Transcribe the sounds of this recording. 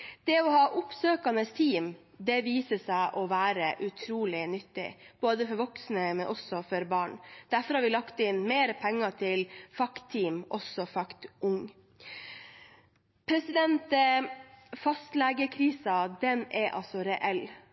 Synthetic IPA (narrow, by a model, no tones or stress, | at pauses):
d̪̥ɛɔhɑːʔʊpsøːkɑnəst̪ʰiːm | d̪ɛʋiːsəsæɪʔɔʋæːɾəʔʉt̪ʰɾuːlɪnʏt̪ːɪ̰b̥oːd̪əfɔɾʋɔksnəmɛnʔɔsɔfɔɾbɑːɳd̪̥æɾfɔɾhɑɾʋɪlɑkt̪ɪnmeːɾəpʰɛŋːɑt̪ʰɪlfɑkt̪ʰːiːmʔɔsɔfɑkt̪ʊŋ | pʰɾɛsɪd̪ɛnt̪ | fɑst̪lɛːɡəkʰɾiːsɑd̪ɛnɛʔɑ̰lsɔɾɛʔɛl